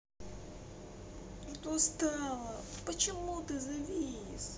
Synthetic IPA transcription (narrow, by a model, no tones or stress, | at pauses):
ʂt̪ost̪ɑlˠəpət͡ɕɪmut̪ɨzɐvʲijɪs